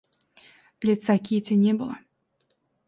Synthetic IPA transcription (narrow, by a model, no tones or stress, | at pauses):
lʲɛt͡s̪akʲit͡sʲɛnʲɛbɨlˠɐ